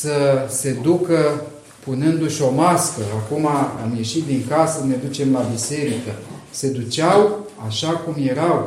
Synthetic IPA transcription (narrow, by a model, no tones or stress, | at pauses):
səse̞d̪ukə | punɨnd̪uʃo̞maskəakuma̰ːmje̞ʃit̪̚d̪iŋkasəne̞d̪ut͡ʃe̞mlabise̞ɾikəse̞d̪ut͡ʃaw | aʃakumje̞ɾaw